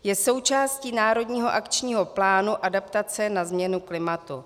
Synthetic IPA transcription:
jɛso̞wt͡ʃaːsciːnaːɾo̞dɲiːɦo̞ʔakt͡ʃɲiːɦo̞plaːnuʔadapt̪at͡sɛnazmɲɛnuklɪmat̪u

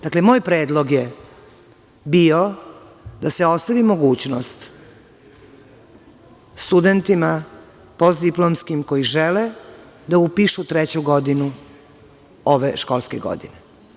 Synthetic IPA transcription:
d̪̥aklemo̞ːjpɾeːd̪lˠo̞ɡje | bio | d̪aseo̞st̪aʋimo̞ɡuːt͡ɕnost̪ | st̪ud̪ent̪ima | pozd̪iplˠomskimko̞jiʒɛle | d̪aupiʃut̪ɾɛt͡ɕuɡod̪inu | oʋeʃkolˠskeɡo̰d̪ḭne

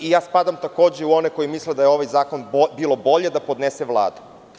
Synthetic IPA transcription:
ijaːspad̪amt̪ako̞ːd͡ʑeuo̞neko̞jimisled̪ajeo̞ʋajzaːko̞nbiːlo̞bo̞ʎe̞d̪apo̞d̪neseʋlˠa̰ːd̪u̥

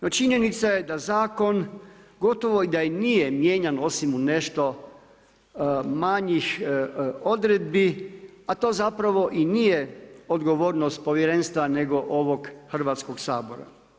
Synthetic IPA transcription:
not͡ʃiɲe̞nit̪saje̞d̪azaːko̞nɡo̞t̪oʋo̞id̪ajenijemjeːɲano̞simune̞ʃt̪o̞ | maɲix | o̞d̪ɾed̪̚biat̪o̞ːzapɾaʋo̞ʔinijeod̪ɡo̞ʋo̞ːɾnost̪̚po̞ʋjeɾenst̪ʋane̞ɡo̞ʔo̞ʋo̞ɡxr̩ʋaːt̪sko̞ɡsaːbo̞ɾa̰

